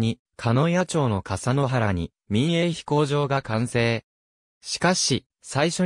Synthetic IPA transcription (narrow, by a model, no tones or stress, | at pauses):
ɲi | kʰano̞jat͡ɕo̞ːno̞kasano̞ɦaɾaɲ̟ḭ | mʲĩɰ̃e̞çi̥ko̞ːʑo̞ːɡakãɰ̃se̞ː | ɕi̥kaɕi | saiɕo̞